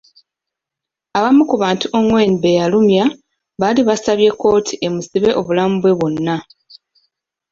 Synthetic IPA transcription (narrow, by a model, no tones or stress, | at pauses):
aβamukuβaːntuʔoŋwe̞ːniβe̞jalumja | βaliβasaβje̞ko̞ːtʰiʔe̞musiβe̞ʔo̞βulamubwe̞βo̞nːa